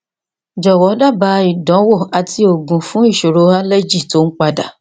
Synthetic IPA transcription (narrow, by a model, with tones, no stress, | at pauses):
d͡ʒɔ˨wɔ˨˦da˦˨ba˧˦i˨dɔ̃˨˦wo˦˨a˨ti˧o˨ɡũ˨fũ˨˦i˦˨ʃo˨ɾo˨˧˦a˦le˦d͡ʒi˦˨to˨˦n̩˦k͡pa˧da˨